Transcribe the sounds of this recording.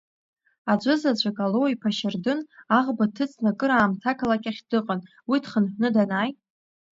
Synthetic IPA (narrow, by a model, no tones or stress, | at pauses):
ad͡ʒʷʊzad͡ʒʷʼakʼalowipʰaʃɪrdɨnaʁbatʰɨt͡sʰʼnakʼɨɾaːmtʰakʰalakʲʼaχʲdɨqʼən | witʰχənħʷᶣnɨdanaːjtʼ